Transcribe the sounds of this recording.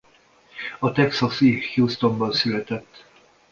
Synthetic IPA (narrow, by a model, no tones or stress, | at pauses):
ɒt̪ɛksɒsihjuːst̪o̞mbɒnsylɛt̪ɛt̪ː